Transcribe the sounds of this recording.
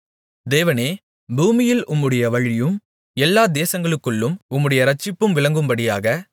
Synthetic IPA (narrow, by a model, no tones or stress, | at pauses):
d̪eːʋɐneː | buːmɪjɪlʔʊmːɯɽɐjɐʋɐɻɪjɯm | ɛlːaːd̪eːsɐŋɡɐɭɯkːɯɭːɯmʊmːɯɽɐjɐɾɐt͡ʃːɪpːɯmʋɪɭɐŋɡɯmbɐɽɪjaːɣɐ